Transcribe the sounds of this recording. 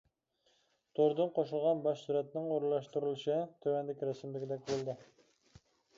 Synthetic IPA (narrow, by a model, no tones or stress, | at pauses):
t̪ʰoɾd̪ɨnqʰoʃɪlˠʁɑnbɑʃsuɾɛt̪nɪŋoɾlˠɑʃt̪uɾulˠɪʃɪt̪ʰøwænd̪ɪkʲɾæsɪmlɪɡʲɪd̪ɛkʲbolˠd̪ɪ